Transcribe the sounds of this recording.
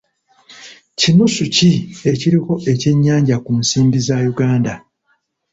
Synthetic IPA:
cinusucie̞ciɾiko̞ʔe̞ce̞ɲːaːɲɟakunsiːmbizajuɡaːnda

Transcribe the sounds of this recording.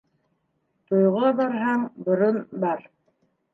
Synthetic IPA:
t̪ŏjʁɑbɑɾɦɑɴbŏɾonbɑɾ

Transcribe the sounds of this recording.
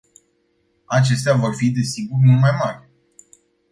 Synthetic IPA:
at͡ʃe̞st̪eavo̞rfid̪e̞siɡurmulmajmarʲ

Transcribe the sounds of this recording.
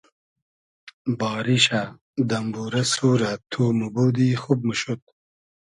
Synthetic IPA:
bɑːɾiɕa | d̪ɐmbuɾɐsuːɾat̪ʰuːmuboːd̪ixub̚muʃut̪̚

